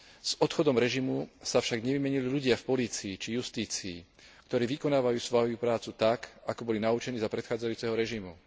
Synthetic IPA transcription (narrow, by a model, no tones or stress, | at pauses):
z̥ɔt̪xɔd̪ɔmɾɛʒimusafʃaɡɲɛʋimɛɲiliʎuɟɪafpɔliːt͡siːt͡ʃijust̪iːt͡siː | kt̪ɔɾiːʋikɔnaːʋajuːsʋɔjupɾaːt͡sut̪akakɔbɔlinaut͡ʃɛniːzapɾɛt̪xaːd͡zajuːt͡sɛɦɔɾɛʒimu